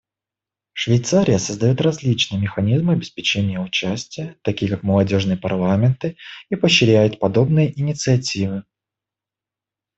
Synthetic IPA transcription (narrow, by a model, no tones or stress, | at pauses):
ʂvʲɪjt̪saɾʲɪjəsəzd̪ɐjo̞t̪rɐzʲlʲit͡ɕnɨjəmʲɪxɐnʲizmɨɐbʲɪspʲɪt͡ɕenʲɪjəʊt͡ɕæsʲtʲɪjət̪ɐkʲijəkakməlˠɐdʲo̞ʐnɨjəpɐrlˠamʲɪnt̪ɨipəɕːɪɾʲæjʊt̪̚pɐd̪o̞bnɨjəʔɪnʲɪt̪sɨɐtʲivɨ